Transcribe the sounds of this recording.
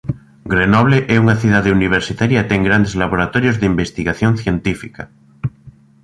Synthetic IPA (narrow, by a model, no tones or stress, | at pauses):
ɡɾenɔβ̞leʔɛuŋaθiðaðeuniβ̞eɾsit̪aɾjat̪eŋɡɾand̪ezlaβoɾat̪oɾjozðeimbest̪iɣaθjon̟θjent̪ifika